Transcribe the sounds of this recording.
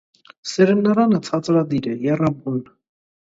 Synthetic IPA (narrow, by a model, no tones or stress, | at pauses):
sɛɾɛnːɑɾanət͡sʰɑt͡sʼɾad̪iɾɛjɛrabun